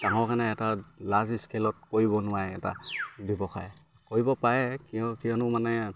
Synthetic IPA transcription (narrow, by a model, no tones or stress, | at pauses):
taŋɔkanɛːtalaziskelɔt̚koɹibɔnʊwajɛtabɛbɔxa̰j | koɹibɔpaɹɛkiɔkijɔnʊmanɛ